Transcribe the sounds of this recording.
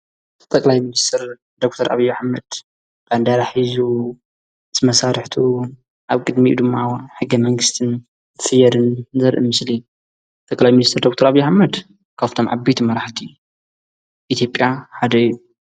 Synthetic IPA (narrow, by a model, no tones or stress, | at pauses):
t̪ʼɐkʼlajminist̪ʰɐɾ | d̪okt̪ʰɐɾʔa̰βijːaħmɐd̪̥ | kʰand̪aɾaħizu | t̪mɐsaɾɨħt̪ʰu | ʔaβkʼɨd̪miʔṵd̪ɨmːawnħɨɡɐmɐŋɡɨst̪ʰɨn | zɨsɨjɐɾɨnzɐɾʔɨ̰mɨsli | t̪ʼɐkʼlajminist̪ɨɾd̪ok̚t̪ʰɐɾaβijːaħamːɐd̪ | kʰaft̪ʰo̞mʕa̰bɐjt̪ʰumɐɾaħt̪ʰi | ʔit̪ʰjo̞pʼjaħad̪ɐ